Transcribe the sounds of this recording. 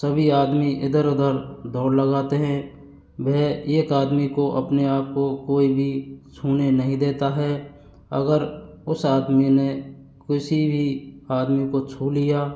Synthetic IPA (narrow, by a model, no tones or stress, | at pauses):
səbʱiaːd̪miʔɪd̪əɾʊd̪əɾd̪ɔːɾləɡaːt̪eɦɛ̃ | ʋeeːkaːd̪mikoʔəpneaːp̚kokoːibʱit͡ʃʰuːnenəɦĩd̪eːt̪aɦɛː | ə̰ɡəɾ | ʊsaːd̪mine | kɪsibʱiaːd̪mikot͡ʃʰuːlijaː